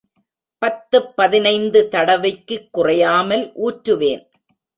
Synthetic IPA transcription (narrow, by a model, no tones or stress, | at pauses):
pɐt̪ːɯpːɐðɪnɐɪnd̪ɯt̪ɐɽɐʋɐkːɯkːʊrɐjaːmɐlʔuːʈɾɯʋeːn